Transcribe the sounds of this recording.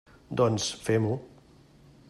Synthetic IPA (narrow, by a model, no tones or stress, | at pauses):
d̪ɔnsfemu